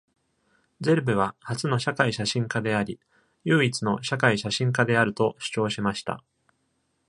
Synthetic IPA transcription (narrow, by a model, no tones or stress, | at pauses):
d͡ze̞ɾɯ̟bɯ̟β̞ahat͡sɨno̞ɕakaiɕaɕĩŋkad̪e̞aɾʲi | jɯːit͡sɨno̞ɕakaiɕaɕĩŋkad̪e̞aɾɯ̟t̪o̞ɕɨ̥t͡ɕo̞ːɕimaɕi̥t̪a̰